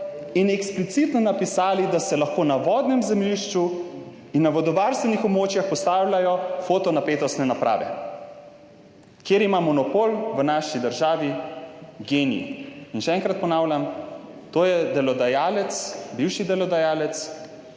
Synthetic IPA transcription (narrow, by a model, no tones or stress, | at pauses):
inɛksplit̪sit̪nɔnapisaːlid̪asɛlaxkoːnaʋɔːd̪nɛmzɛmliʃt͡ʃu | inːaʋɔd̪ɔʋaɾst̪ʋɛnixɔbmoːt͡ʃjaxpɔst̪aːwlʲjajɔfoːt̪ɔnapeːt̪ɔst̪nɛnapɾʔa̰ːʋɛ̰ | kjeːɾimamɔnɔpoːlʋənaʃid̪əɾʒaːʋi | ɡeːnḭinʃɛɛŋkɾat̪̚pɔnaːwlʲamt̪oːjɛd̪ɛlɔd̪ajaːlɛt̪sbiwʃid̪ɛlɔd̪ajaːlɛt̪s